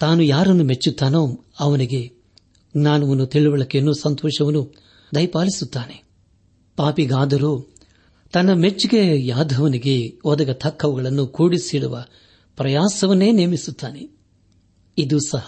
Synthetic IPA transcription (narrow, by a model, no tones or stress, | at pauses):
t̪aːnujaːɾɐnːume̞t͡ʃːut̪ːaːnoː | ɐʋɐniɡe̞ | ɡnaːnɐʋɐnːut̪iɭuʋɐɭɐkːenːoːsɐnt̪ɔːʃɐʋɐnːu | d̪ɐjpaːlisut̪ːaːne̞ | paːpiɡaːd̪ɐɾuː | t̪ɐnːɐme̞t͡ʃːuɡejaːd̪ʱɐʋɐniɡe̞ɔd̪ɐɡɐt̪ʰɐkʰːɐʋuɡɐɭɐnːukuːɽisiɽuʋɐ | pɾɐjaːsɐʋɐnːe̞ːneːmisut̪ːaːne | id̪usɐhɐ